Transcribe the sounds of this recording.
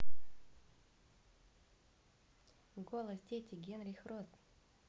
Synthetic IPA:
ɡolˠəsdʲetʲɪɡʲenɾʲɪxɾost̪

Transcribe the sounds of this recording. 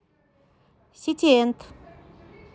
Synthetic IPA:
ɕit͡ɕʰejənt̪

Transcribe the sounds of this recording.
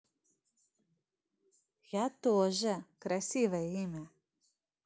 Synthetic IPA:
jat̪oʒɛkɾasʲivaimɛ

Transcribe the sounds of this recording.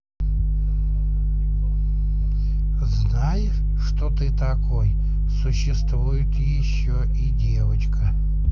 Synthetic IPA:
znajɪʂ | ʂt̪ot̪ɨt̪ɐkʰoj | sʊɕːɪst̪vujɪt̪jɪɕːoʔidʲevət͡ɕkʰə

